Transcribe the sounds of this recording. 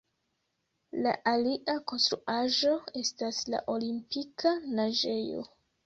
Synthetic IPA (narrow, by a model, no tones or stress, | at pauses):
la̰ʔaliʔako̞nstɾuʔaʒo̞e̞stasla̰ʔo̞limpikanaʒe̞jo̞̰